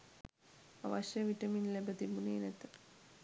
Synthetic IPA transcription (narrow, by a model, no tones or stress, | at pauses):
a̰ʋɐʃjɐʋiʈɐminlebɐt̪imunenet̪